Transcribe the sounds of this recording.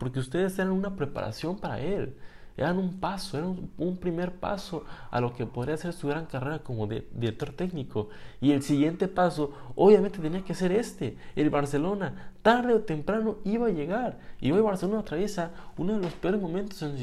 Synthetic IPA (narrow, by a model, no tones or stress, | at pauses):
po̞ɾkeust̪e̞ðeseɾanunapɾe̞pa̰ɾa̰sjo̞mpaɾa̰e̞l | eɾanumpaso̞eɾaumpɾime̞ɾpa̰so̞a̰lo̞ke̞poðɾiase̞ɾsuɣɾaŋkare̞ɾako̞moðd̪iɾek̚t̪o̞ɾt̪e̞knikʰoie̞lsiɣje̞nt̪e̞paso̞oβjamẽnt̪et̪eniakese̞ɾe̞st̪eelβaɾse̞lo̞nat̪aɾðeot̪e̞mpɾano̞iβaːʝe̞ɣaɾḭo̞jβaɾselonaot̪ɾaβje̞saunoðelo̞speo̞ɾe̞zmõ̞ment̪osen